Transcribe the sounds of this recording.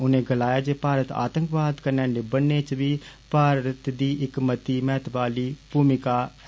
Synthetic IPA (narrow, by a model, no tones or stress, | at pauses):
ʊnẽːɡəlaːjaːd͡ʒeːpaːɾət̪a̰ːt̪əŋkbaːd̪kəɾnaːɖeːbənːeːt͡ʃʋiːpaːɾət̪d̪iːʔɪkmət̪iːmɛːt̪baːliːbuːmɪkaː